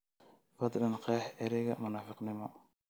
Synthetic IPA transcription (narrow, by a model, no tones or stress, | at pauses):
fɑd̪ˤlɐnqɛːħɛɾɛɣɐmʊnaːfɪqnɪmɔ